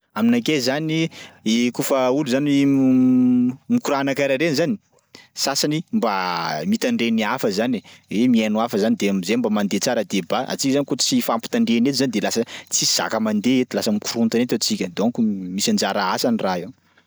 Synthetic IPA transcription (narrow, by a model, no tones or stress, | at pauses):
aminakezaniekufəuluzanii | mikuɾanakaɾaɾenzani̥ | sasanimbamit̪aɳɖ͡ʐeniafəzaniemienuafəzanid̪emzembamand̪et͡saɾəd̪ebaʔa̰t͡sikzanikot͡sifampi̥t̪aɳɖ͡ʐenet̪zanid̪elasət͡siz̥a̰kəmand̪eet̪ulasəmikuɾunt̪anet̪at͡sikʲəd̪okumisand͡ʒaɾaasaniraew